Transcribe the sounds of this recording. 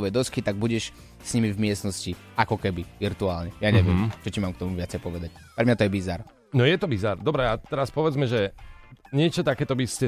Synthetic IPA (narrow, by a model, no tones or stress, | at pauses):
ʋɛd̪ɔskit̪aɡ̚buɟɛʃ | sɲimivmɪɛsnɔsci | akɔkɛbiʋiɾt̪uaːlɲɛjaɲɛʋɪɛmt͡ʃɔcimaːmkt̪ɔmuvɪat͡sɛɪpɔʋɛd̪ac̚ | pɾɛmɲat̪ɔjɛbizaɾ | nɔjɛt̪ɔbizaɾd̪ɔbɾɛat̪ɛɾaspɔʋɛd͡zmɛʒɛ | ɲɪɛt͡ʃɔt̪akɛːt̪ɔbiscɛ